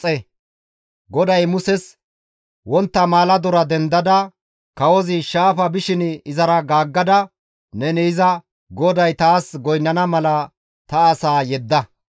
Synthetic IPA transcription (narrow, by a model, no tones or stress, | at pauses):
ɛ | ɡɔd̪ɐjmʊsɛs | wɔnt̪ːɐmaːlɐd̪ɔɾɐd̪ɛnd̪ɐd̪ɐ | kɐwɔzɪʃaːfɐbɪʃɪnɪzɐɾɐɡaːɡːɐd̪ɐ | nɛnɛɪzɐ | ɡɔd̪ɐjt̪aːsɡɔjnːɐnɐmɐlɐ | t̪ɐːsaːjɛd̪ːɐ